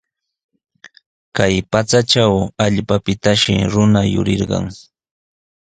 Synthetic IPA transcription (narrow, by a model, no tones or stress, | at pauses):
kajpat͡saʈ͡ʂawaʎpapɪt̪aʃɪ̰ɾʊnajʊ̰ɾɪ̰ɾɢɑ̰ŋ